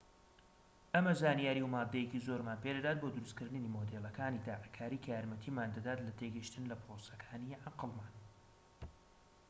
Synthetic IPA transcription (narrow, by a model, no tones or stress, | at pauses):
ʔɐmɐzaːnijaːɾiwmaːd̪ːɐjecizoːɾmaːnpʰed̪ɐd̪aːt̪̚boːd̪ʊɾust̪kɨɾd̪ɨniːmod̪elˠɐkʰaːnid̪aːʕakʰaːɾiːkʰjaɾmɐt̪ʰiːmaːnd̪ɐd̪aːt̪lɐt̪ʰeɡɨʃt̪ɨnlɐpɾosɐ̥kʰaːniʕaqɨlˠmaːn